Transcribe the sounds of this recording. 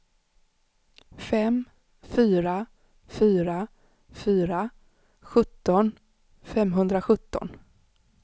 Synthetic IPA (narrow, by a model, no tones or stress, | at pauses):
fɛm | fyːɾa | fyːɾa | fyːɾa | ɧɵt̪ːɔn | fɛmɦɵnd̪ɾaɧɵt̪ːɔ̰n